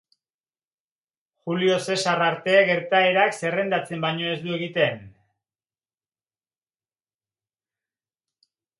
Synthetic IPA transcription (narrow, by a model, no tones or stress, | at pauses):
xulio̞se̞saraɾt̪e̞ɣe̞ɾt̪ae̞ɾakse̞re̞nd̪at͡se̞mbajɲo̞e̞zd̪ue̞ɣit̪e̞n